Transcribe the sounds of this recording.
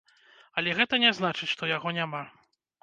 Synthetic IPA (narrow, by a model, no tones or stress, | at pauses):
ɐlʲɛɣɛt̪ɐnʲɛznat͡ʂɨt͡sʲʂt̪ɔjaɣɔnʲama